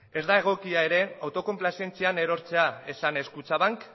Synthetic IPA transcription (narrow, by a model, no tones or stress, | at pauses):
e̞zd̪ae̞ɣ̞o̞kiae̞ɾe̞awt̪o̞ko̞mplasie̞nt͡siane̞ɾo̞ɾt͡se̞ae̞sane̞skut͡saβaŋk